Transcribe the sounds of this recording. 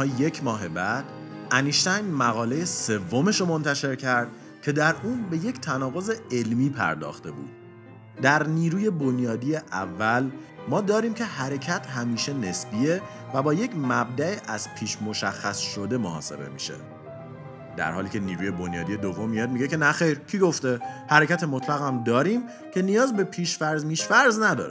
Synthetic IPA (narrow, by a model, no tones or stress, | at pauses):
je̞cʰmɒːɦe̞bæd̪̥ | æniʃt̪æjmæɣɒːlejese̞vːo̞me̞ʃɾomo̞nt̪ʰæʃe̞ɾcʰæɾd̪̥̚ | cʲʰe̞d̪æɾuːnbe̞je̞cʰt̪ʰænɒːɣo̞ze̞e̞lmiːpʰæ̰ɾd̪ɒ̰ːxt̪e̞bṵd̪̥̚ | d̪æɾniːɾuːje̞bo̞njɒːd̪ijeʔævːælmɒːd̪ɒːɾiːmcʰe̞hæɾe̞cʰæt̪ʰɦæmiːʃe̞ne̞sbie̞ | væbɒːje̞cʰmæb̚d̪æeʔæz̥pʰiːʃmo̞ʃæxːæsʃo̞d̪e̞mohɒ̰ːse̞̰be̞̰mḭːʃḛ | d̪æ̰ɾhɒːliːcʰe̞niːɾuːje̞bo̞njɒːd̪ije̞d̪ovːo̞mːijɒːd̪̚miɟe̞ce̞næxe̞jɾcʰiːɡo̞ft̪e̞hæɾecæt̪ʰemot̪ʰlæɣæmd̪ɒːɾiːm | cʰe̞nijɒːzbepʰiːʃfæɾzmiːʃfæɾznæd̪ɒ̰ːɾe